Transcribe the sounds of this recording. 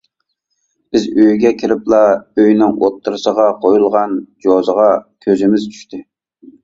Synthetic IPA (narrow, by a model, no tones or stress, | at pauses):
b̥ɪzøjɡʲɛkʲʰɪɾɪplˠɑøjnɪŋot̪ʰːɨɾɨsəʁɑqʰojulˠʁɑnd͡ʒozəʁɑkʲʰøzɪmɪzt͡ʃʰy̥ʃt̪ʰɪ